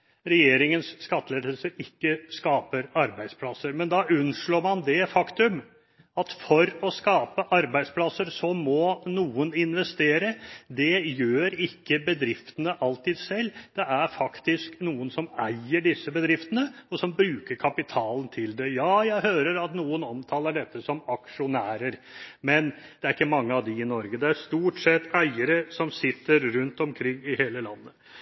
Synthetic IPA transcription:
ɾɛjeːɾɪŋənsːkɑt̪ːəleːd̪əlsəɪkːəskɑːpəɾɑɾbæɪd̪spʰlɑsːəɾmɛnd̪ɑʉnʂɭoːɾmɑnd̪ɛfɑkt̪ʉm | ɑt̪fɔɾɔskɑːpəʔɑɾbæɪd̪spʰlɑsːəɾsɔmɔnuːənɪnʋɛst̪eːɾəd̪ɛjøːɾɪkːəbəd̪ɾɪft̪ənəʔɑlt̪iːd̪sɛlːd̪̥ɛæɾfɑkt̪ɪsknuːənsɔmæɪəɖɪsːəbəd̪ɾɪft̪ənəɔsɔmbɾʉːkəɾkʰɑpɪt̪ʰɑːlən̩t̪ʰɪld̪ɛjɑːjæɪɦøːɾəɾɑt̪nuːənɔmt̪ʰɑːləɖɛt̪ːəsɔmɑkʂʊnæːɾəɾmɛn | d̪̥ɛæɾɪkːəmɑŋːəɑʋd̪ɪɪnɔɾɡəd̪ɛæɾʂt̪uːʈsɛt̪ːæɪəɾəsɔmsɪt̪ːəɾɾʉnt̪ɔmkʰɾɪŋːɪheːləlɑnːə

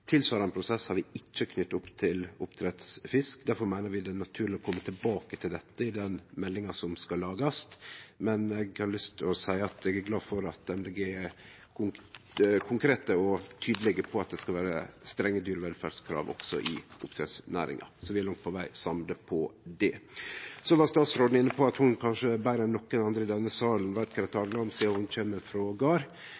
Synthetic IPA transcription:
t̪ʰɪlsʋɑːɾɑnpʰɾʊsɛshɑɾʋɪɪt͡ʃːəkʰnʏt̪ːʊpːt̪ʰɪlʊpt̪ʰɾɛt̪sfɪskd̪æɾfɔɾmæɪnəɾʋɪd̪ɛnɑt̪ʰʉːɾlɪɔkʰɔmːət̪ʰɪlbɑːkət̪ʰɪld̪ɛt̪ːəɪd̪ɛnmɛlːɪŋɑsɔmskɑlːɑːɡɑst̪mɛnɛɡhɑɾlʏst̪ɔsæɪəɑt̪ɛɡæɾɡlɑːfɔɾɑt̪̚d̪ɛmlɛɡɛ | kʰʊ | kʰʊŋkʰɾeːt̪əɔt̪ʰyːd̪əlɛɡəpʰɔɑt̪̚d̪ɛskɑʋæːɾə̰st̪ɾɛŋːəd̪yːɾəʋɛlfæɖskʰɾɑ̰ːʋɔ̰ksɔ̰ʔɪ̰ʔʊpt̪ʰɾɛ̰ːd̪snæ̰ːɾɪ̰ŋɑ̰sɔʋɪæɾlɑŋt̪̚pʰɔʋæɪsɑmd̪əpʰɔd̪ɛ | sɔʋɑst̪ɑːt̪sɾoːd̪̩ɪnːəpʰɔɑt̪hʊnkʰɑnʂəbæɪɾɛnːɔkːənɑnd̪ɾəɪd̪ɛnːəsɑːlənʋæɾt̪kʰɾɛt̪ʰːɑːlənɑmsihʊnc͡çeːmːəɾfɾɔɡɑːɾ

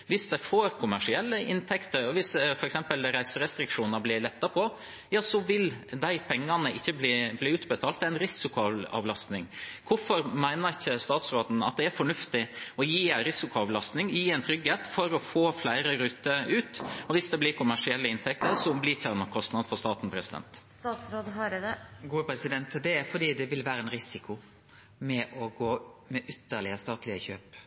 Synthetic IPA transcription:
ʋɪsd̪ɛɪfoːɾkʰʊmæʂɪɛlːəʔɪnt̪ʰɛkt̪əɾɔʋɪsfɔɾɛksɛmpəlɾæɪsəɾɛst̪ɾɪkʂuːnəɾblɪɭɛt̪ːəɾpʰɔ | jɑːsɔʋɪld̪æɪpʰɛŋːɑnəʔɪçːəbliːbliːʉːt̪bət̪ʰɑːlt̪æɪnɾɪsɪkʊɑɑ̰ʋlɑst̪nɪŋkʰʊfɔɾmæɪnəçəst̪ɑːt̪sɾoːd̪n̩ɑ̰t̪̚d̪ɛæɾfɔɳʉft̪ɪɔjiːɾɪsɪkʊɑʋlɑst̪nɪŋɪiæɛɪnt̪ʰɾʏɡːheːt̪fɔɾɔfoːflæɪɾəɾʉːt̪əʉːt̪ɔʋɪsd̪ɛblɪkʰʊmæʂɪɛlːəɪnt̪ʰɛk̚t̪əɾsɔmblɪçæɾmɑkʰɔst̪nɑd̪fɔɾst̪ɑːt̪n̩pʰɾɛsɪd̪ɛ̰nt̪st̪ɑːt̪sɾoːd̪ɦɑɡuːəpʰɾɛsɪd̪ɛnt̪d̪ɛfɔɖiːd̪ɛʋɪlʋæːɾəɛnɾɪsɪkʰʊ | mɛʔɔɡoːmɛʔʏt̪ːəɾɭɪəst̪ɑːt̪ʰlɪəçøːp

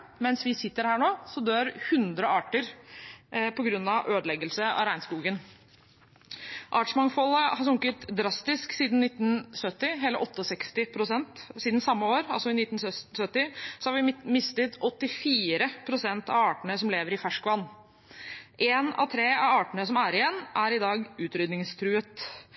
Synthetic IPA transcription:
mɛnsʋɪsɪt̪ːəɾhæːɳoːsɔd̪øːɾhʉnd̪ɾəɑːʈəɾ | pʰɔɡɾʉnːɑʋʔøːd̪lɛɡəlsəɑ̰ɾæɪnskuːɡən | ʔɑːʈʂmɑŋfɔlːəhɑsʊŋkət̪d̪ɾɑst̪ɪsksiːd̪n̩nɪt̪ːn̩sœt̪ːɪɦeːləʔɔt̪ːəɔsɛkst̪ɪpʰɾʊsɛnt̪siːd̪nsɑmːəoːɾɑlsɔɪnɪt̪ːnsœsœt̪ːɪsɔhɑɾʋɪmɪst̪ət̪ɔt̪ːɪfiːɾəpʰɾʊsɛnt̪ɑ̰ʋɑːʈəɳəsɔmleːʋəɾɪfæʂkʋɑnː | ʔeːnɑ̰t̪ʰɾeːɑʋɑːʈəɳəsɔmæɾɪjɛnːʔæɾɪd̪ɑːɡʉːt̪ɾʏd̪nɪŋst̪ʰɾʉːət̪

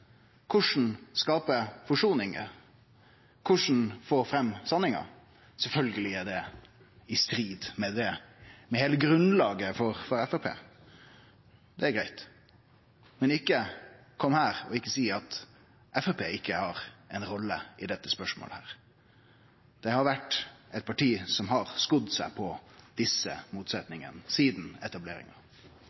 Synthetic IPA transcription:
kʰʊʂn̩skɑːpəfɔʂuːnɪŋə̰ | kʰʊʂn̩foːɾfɾɛmːsɑnɪŋɑ̰ | sɛlfœlɡəlɪæɖɛ | ɪst̪ɾiːd̪mɛd̪ɛmɛheːləɡɾʉnlɑːɡəfɔɾfɔɾɛfɛpʰḛː | d̪ɛæɾɡɾæɪt̪ | mɛnɪkːə | kʰɔmːhæːɾɔɪkːəsiːɑt̪ | ʔɛfɛpʰeːɪkʰːəhɑɾɛɪnɾɔlːəɪd̪ɛt̪ːəspœʂmo̰ːlhæːɾ | d̪̥ɛhɑɾʋæʈːɛɪt̪̚pʰɑʈiːsɔmɦɑɾskʊd̪sæɪpʰɔd̪̥ɪsːə̰muːt̪sɛt̪nɪŋə̰nsiːd̪n̩ɛ̰t̪ɑblḛːɾɪ̰ŋɑ

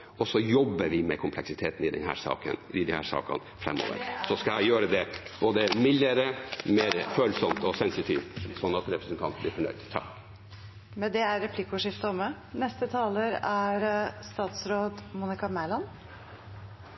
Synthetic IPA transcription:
ɔsɔjɔbːəɾʋɪmɛ̰kʰʊmpʰlɛksɪt̪ʰeːt̪nɪd̪ɛ̰nhæ̰ːɾʂɑ̰ːkə̰nɪd̪ɪhæ̰ːɾʂɑ̰ːkɑ̰nfɾɛ̰mːo̰ːʋə̰ɾsɔskɑæɪjøːɾəd̪ɛb̥oːd̪əmɪlːəɾəmeːɾføːlsɔmt̪ɔsɛnsɪt̪ʰiːʋt̪sɔnːɑt̪ɾɛpɾəsənt̪ʰɑnt̪bliːfɔɳœ̰ʏd̪t̪ʰɑ̰k | mɛnd̪ɛæɾɾɛpʰlɪkʊʂɪft̪əɔmə | nɛst̪ət̪ʰɑːləɾæɾst̪ɑːt̪sɾoːd̪muːnɪkɑmælɑn

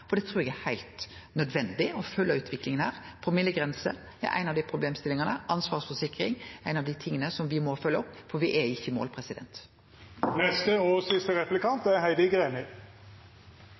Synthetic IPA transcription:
ɔd̪ɛt̪ʰɾʉːɾɛɡɛhæɪlt̪ | nœd̪ʋɛnd̪ɪɔfœlːəʉːt̪ʰʋɪklɪŋənhæ̰ːʁ | pʰɔmɪləɡɾɛnsə̰ | ɛ̰ʔæ̰ɪnɑʋd̪æɪpʰɾʊbleːmst̪ɪlɪŋɑnəʔɑnsʋɑːʁʂfɔʂɪkːɾɪŋæɪnɑʋd̪iːt̪ʰɪŋːənəsɔmʋɪmɔfœlːəɔpːfɔɾʋɪʔɛɪçːəmo̰ːlpʰɾɛsɪd̪ɛ̰nt̪ | nɛst̪əoːsɪst̪əɾɛplɪkɑnt̪æɦæɪd̪əɡʁeːnə

